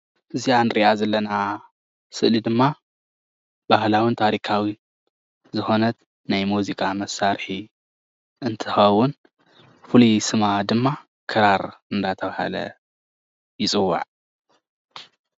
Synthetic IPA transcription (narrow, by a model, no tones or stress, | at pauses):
ʔɨzijanɨɾiʔazɐlːɐna | sɨʔlid̪ɨmːa | bahlawint̪ʰaɾikʰawi | zɨxo̞nɐt̪ | najmuzikʼamɐsːaɾħi | ʔɨnt̪ʰɨxɐwʊn | fɨlisɨmad̪ɨmːa | kʰɨɾaɾɨnd̪at̪ʰɐβaha̰lɐ̰ | jɪt͡sʼɨwːa̰ʕ